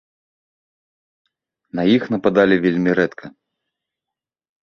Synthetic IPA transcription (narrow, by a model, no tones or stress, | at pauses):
nɐjixnɐpad̪alʲivʲelʲmʲiɾɛt̪kʰɐ